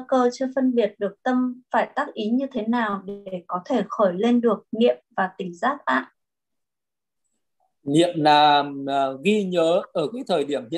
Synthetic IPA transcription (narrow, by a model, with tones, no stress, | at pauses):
a˧kəː˧t͡ɕɨ˧fə˧nɓi˨˩ət̚ɗɨ˨˩ək̚t̪ə˧mfaː˧˩jt̪aː˦˥k̚ʔi˨˦ɲɨ˧t̪ʰe˨˦naː˨˩wɗe˧˩kɔ˨˦t̪ʰe˧˩xɔ˧˩jle˧nɗɨ˨˩ək̚nḭ˧˨əmvaː˨˩t̪ï˧˩ŋ̟zaː˦˥t̚ʔa̰ː˧˨n | nḭ˧˨əmnaː˨˩mɣi˧ɲəː˨˦ʔəː˧˩ki˨˦jt̪ʰəː˨˩jɗi˧˩əmhḭ˧˨